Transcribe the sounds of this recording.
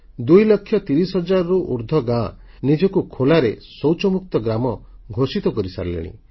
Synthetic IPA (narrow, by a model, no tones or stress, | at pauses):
d̪ujlɔkʰːjɔt̪iɾisɦɔd͡ʒaɾɔɾuʔuɾd̪ʱɔɡã | nid͡ʒɔkukʰolaɾesɔwt͡ʃɔmuk̚t̪ɔɡɾamɔ | ɡʱosit̪ɔkɔɾisa̰ɾlḛɽ̃ḭ̃